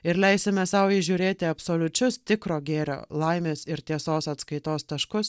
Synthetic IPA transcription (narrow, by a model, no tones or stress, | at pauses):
ɪɾlʲɛɪsʲɪmʲɛsɐʊɪʒʲuːɾʲeːt̪ʲɪɐpsoːlʲʊt͡ʃʲʊst̪ʲɪkɾoːɡʲeːɾʲo̰ːlˠɐɪmʲeːsɪɾt̪ʲiɛsoːsɐt̪skɐɪt̪oːst̪ɐʃkʊs